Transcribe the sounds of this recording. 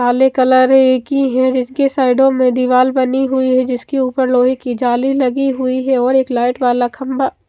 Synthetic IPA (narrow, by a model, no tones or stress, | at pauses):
aːlekɐləɾeeːkiɦɛ̃d͡ʒɪskesaːɪɖõmẽd̪iʋaːlbɐniɦʊiɦɛd͡ʒɪskeuːpəɾloːɦikid͡ʒaːlilɐɡiɦʊiɦɛɔːɾeːklaːɪʈʋaːlakʰɐmba